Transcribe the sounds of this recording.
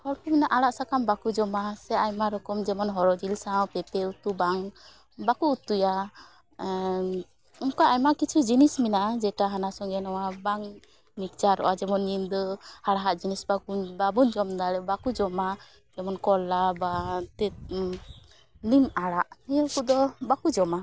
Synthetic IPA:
hɔɽkɔminaʔaɽaʔsakambakud͡ʒɔmasɛajmaɾɔkɔmd͡ʒɛmɔnɦɔɾɔd͡ʒilsawpɛpɛut̪ubaŋ | bakuut̪uja | umkaajmakit͡ʃʰud͡ʒinisminaʔad͡ʒɛʈaɦanasɔŋɡɛnɔwabaŋ | nikd͡ʒaɾɔ̰ʔad͡ʒɛmɔnːimd̪ɔhaɽaɦaʔd͡ʒinisbakubabuɲd͡ʒɔmd̪aɽɛbakud͡ʒɔma | d͡ʒɛmɔnkɔlːabat̪ɛ | nimaɽaʔɛkud̪ɔbakud͡ʒɔma

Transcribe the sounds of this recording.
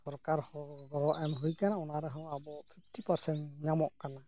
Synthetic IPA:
sɔɾkaɾhɔɡɔɾɔʔɛmɦujkanaunaɾɛɦawabɔpʰip̚ʰtipaɾsɛntɲamɔʔkana

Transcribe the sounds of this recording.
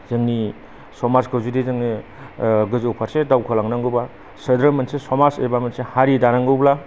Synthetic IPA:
zɯŋni | sɔmaɾskɯwzudizɯŋni | ɡɯzowpʰaɾsedawkʰɯlaŋnaŋɡuba | sɐdɾɯmɐnsesɔmasejbamɐnsehaɾidanaŋɡɯwbla

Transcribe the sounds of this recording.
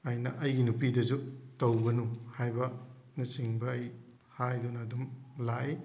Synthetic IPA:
ɐjnɐʔɐjɡinupidɐzutɐwbɐnuhajbɐ | nɐsiŋbɐːj | hajdunɐːdumlai

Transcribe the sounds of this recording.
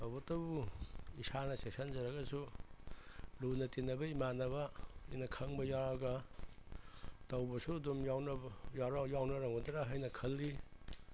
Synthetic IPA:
tawbɐtɐbuisanɐsesɐnzɐɾɐɡɐsu | lunɐtinɐbɐimanɐβɐinɐkʰɐŋbɐjaɾaɡɐ | tɐwbɐsuɐdumjawnɐjaɾajawnɐɾɐŋudɾaɦajnɐkʰɐlːi

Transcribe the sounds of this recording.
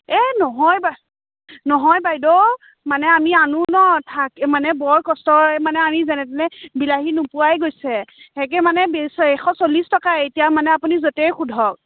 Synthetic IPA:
ɛnɔɦɔjba | nɔɦɔjbajdɔ | manɛamianunɔtʰakmanɛbɔɹkɔstɔɹɛmanɛanizɛnɛtɛnɛbilaɦinupʊajɡojsɛhɛk̬ɛmanɛbesɔɛxɔsolistɔkaetijamanɛapunizotɛjxudʱɔk̚

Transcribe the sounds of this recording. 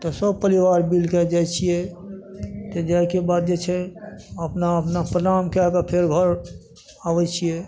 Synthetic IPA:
t̪ɔsəb̚pəliʋaɾbilked͡ʒajt͡ʃʰijɛ | t̪ɔd͡ʒaɪkebad̪̚d͡ʒet͡ʃʰɛəpnaəpnapɾənamkeakapʰeɾɡʱəɾ | aʋɛt͡ʃʰijɛ

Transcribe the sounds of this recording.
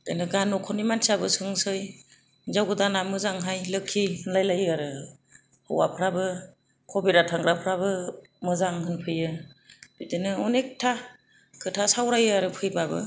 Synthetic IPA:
dɯnɯɡanːɔkʰɔnimansʰiabɯsɯŋsɯj | zawɡɯdanamɯzaŋɦajlɯkʰːihɯnlajlajɯaɾɯ | hɯ̰wa̰pʰɾabɯ | kʰɔbiɾatʰaŋɡɾapʰɾaβɯ | mɯzaŋɦɯnpʰɯjɯb̥idɯnɯɔnek̚tʰa | kʰɯtʰasawɾajɯaɾɯpʰɯjbabɯ̰

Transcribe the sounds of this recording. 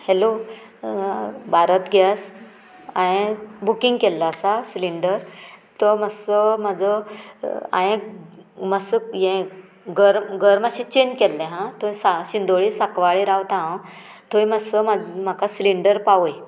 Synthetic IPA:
helo | bʱaɾət̪ɡʱjas | ajẽbukiŋɡkɛlːaəsasliɳɖəɾt̪ɔməsəmad͡zʱɔ | a̰jẽməsəjɛ̃ | ɡəɾɡəɾmaɕẽt͡ɕenkɛlːẽɦãt̪ʰojsaɕind̪oɭisakʋaɭiɾawt̪aɦ | t̪ʰojməsəmam̤akasliɳɖəɾpaʋj

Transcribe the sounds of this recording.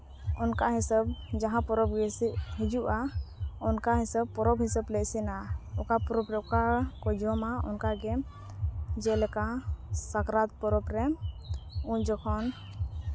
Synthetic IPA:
ɔnkaɦisəbd͡ʒaɦãpɔɾɔbɡɛsɦĩd͡ʒuʔaɔnkaɦisəb̚pɔɾɔbɦisablɛʔsinaɔkapɔɾɔbɾɛukakɔd͡ʒɔmaṵnkaɡɛ | d͡ʒɛlɛkasakɾat̪̚pɔɾɔbɾɛ | ũd͡ʒɔkʰɔn

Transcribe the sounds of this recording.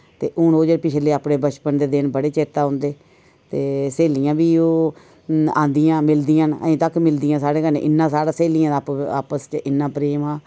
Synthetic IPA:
t̪ḛːʔʊnoːd͡ʒəpɪt͡ʃʰleːaːpneːbət͡ʃpənd̪eːd̪ɪnbəɽeːt͡ʃeːt̪aːɦʊnd̪eː | t̪eːseːlijãːbiːoː | ã̰ːnd̪ijãːmɪld̪ijãːnə̰ĩːt̪əkːmɪld̪ijãːsaːɽeːkənḛːʔɪnːãːsaːɽaːseːlijãːaːpa̰ːpəst͡ʃəʔɪnːãːpɾeːmãː

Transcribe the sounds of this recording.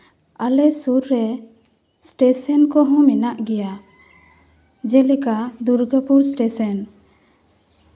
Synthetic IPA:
alɛsuɾːɛ | sʈesənkɔɦɔ̃mɛnaʔɡɛja | d͡ʒɛlɛkad̪uɾɡəpuɾsʈesɔn

